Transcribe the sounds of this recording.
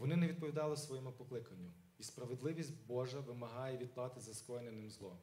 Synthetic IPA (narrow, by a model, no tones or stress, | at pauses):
ʋɔnɪnɛʋʲid̪̚pɔʋʲid̪ɑlˠɪsʋɔjɛmʊpɔklˠɪkɐnʲːʊ | ispɾɐʋed̪lˠɪʋʲisʲtʲbɔʒɐʋɪmɐɦɑjɛʋʲid̪̚plˠɑt̪ɪzɐskˠɔjnenɪmzlˠɔ